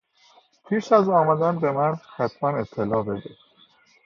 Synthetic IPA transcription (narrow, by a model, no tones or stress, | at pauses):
pʰiːʃæzɒːmæd̪ænbe̞mænxæt̪ʰmæne̞t̪ʰːelɒːbed̪e